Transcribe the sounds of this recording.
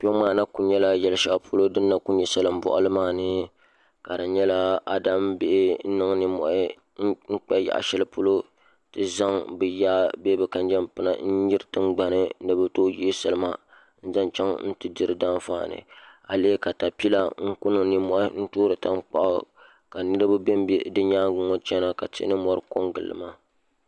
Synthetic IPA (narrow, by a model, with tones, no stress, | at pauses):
po˦maː˦˨na˦ku˨ɲɛ˦la˦jɛ˨lɨ˦ʃa˦ʔpʰo˦lo˦dɨ˦nː˦a˨ku˦ɲɛ˨sɛ˦lɨ˨m˦bɔ̰˨ʔʊ̰˦lɨ˦maː˦nɨ˦ | ka˨dɨ˨ɲɛ˦la˦a˨da˦mbe˦ʔn̩˦nɨ˦ŋnɨ˨mɔ̰˨ʔɪ˦ | ŋ͡m̩˦k͡pɛ˦ja̰˨ʔa̰˨ʃɛ˦lɨ˦pʰo˦lo˦ | tɨ˨za˦ŋbɨ˨ja˦be˦bɨ˨ka˦nd͡ʒɛ˦mpɨ˦na̰˨n̩˦ji˦ɾɨ˦tɨ˦ŋ͡mɡ͡ba˨nɨ˦nɨ˦bɨ˦toː˦ji˦sɨ˦lɨ˦ma̰˦ | n̩˦za˦nt͡ʃɛ˦ŋn̩˦tɨ˦dɨ˦ɾɨ˦da˦m˦fa̰ː˦˨nɨ̰˨a̰˨leː˦ka˨ta˨pi˦la˦ŋ̩˦ku˦nɨ˨ŋnɨ˦mɔ˨ʔɪ̰˦n̩˦toː˦ɾɨ˨ta˦ŋ͡mk͡pa̰˦ʔʊ̰˦ | ka˨nɨ˦ɾɨ˦ba˦bdɨ˦ɲaː˦ɡʊ˦ŋo˦t͡ʃɛ˦na˦ka˨tɪ̰˦nɨ˦mɔ˦ɾɨ˦ko˦ŋɡɨ˨lːɨ̰˨ma˦